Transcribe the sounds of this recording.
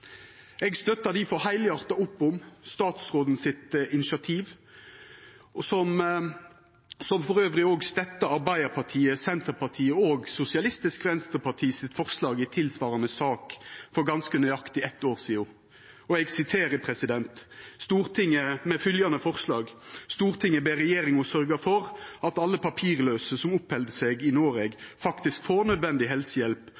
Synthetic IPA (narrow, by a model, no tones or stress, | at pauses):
ɛɡst̪œt̪ːɑd̪ɪfɔhæɪlɪɑʁt̪ɑʊpːʊmst̪ɑːt̪sʁoːd̪n̩sɪt̪ɪnɪsɪɑt̪ʰiːʋ | sɔm | sɔmfɔʁøːʋɾɪoːɡst̪ɛt̪ːɑɑʁbæɪəpʰɑʁt̪ʰiːəsɛnt̪əɾpʰɑʁt̪ʰiːəoːɡsʊsɪɑlɪst̪ɪskʁɛnst̪əpʰɑt̪ʰiːsɪt̪fɔʁslɑːɡɪt̪ʰɪlsʋɑːɾɑnəsɑːkfɔɾɡɑnskənœʏɑkt̪ɪɛt̪ːoːʁsiːʊ | ɔɛɡsɪt̪ʰeːɾəpʰɾɛsɪd̪ɛnt̪st̪uːʁt̪ʰɪŋːəmɛfʏljɑnəfɔʁslɑːɡst̪uːʁt̪ʰɪŋːəbeːɾɛjeːɾɪŋɔsœɾɡəfɔɾɑt̪ɑlːəpʰɑpʰiːʁløːsəsɔmʊphɛld̪əsɛɡɪnoːɾɛɡfɑkt̪ɪskfoːnœd̪ʋɛnd̪ɪɦɛlsəjɛlp